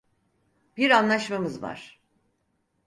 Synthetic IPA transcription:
b̥iɾanlˠaʃmamɯzva̰ɾ̥

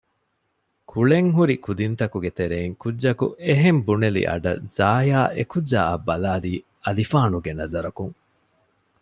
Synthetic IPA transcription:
kʰuɭeŋɦuɾikud̪int̪ɐkuɡet̪eɾeːŋkudːɐkṵeɦembunelḭʔɐ̰ɖɐ̰z̥aːjaːʔekudːa̰ːɐbɐlaːliː | ɐlifaːnuɡenɐzɐɾɐkuŋ

